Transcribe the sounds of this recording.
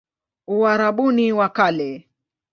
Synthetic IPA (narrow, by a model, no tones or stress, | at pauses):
uaɾaɓuniwakalɛ